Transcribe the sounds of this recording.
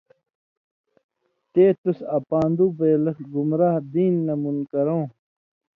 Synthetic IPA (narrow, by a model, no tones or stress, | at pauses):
t̪eːt̪usapaːnd̪uːbeːlɐxlɡumɾaːhd̪iːnːɐmunkɐɾõː